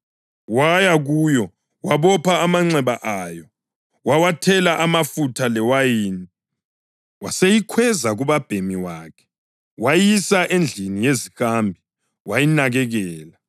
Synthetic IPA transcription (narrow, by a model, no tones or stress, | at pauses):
wajaɣujɔ | waβɔpʰaːmaŋ͡ǀɛβaʔajɔ | wawatʰɛlaʔamafutʰalɛwajiːni | wasejikʰwɛzaɣuβab̥ʱemiwaːkʰɛ̥ | wajisaʔend͡ɮʱinijezixambʱi | wajinaɣɛɣɛːla